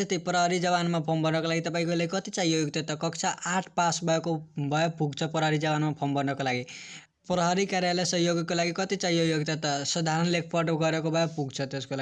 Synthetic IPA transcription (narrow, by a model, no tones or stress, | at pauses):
tʌst̪ipɾʌɦʌɾid͡zʌbanmapʰombʌnʌkolaɡit̪ʌpaĩkolaɡikʌt̪it͡saɦijojoɡ̚t̪ʌt̪ʌkʌkt͡sʰaʔaʈʰpasbʱʌjekobʱʌjopuɡt͡sʰʌpɾʌɦʌɾid͡zʌbanmapʰombʌnʌkolaɡi | pɾʌɦʌɾikaɾjalajsʌɦjoɡkolaɡikʌt̪it͡saijojoɡt̪ʌt̪ʌsʌd̪ʱaɾʌnlekʰpʰʌrʈɡʌɾekobʱʌjopuɡt͡sʰʌt̪eskolaɡi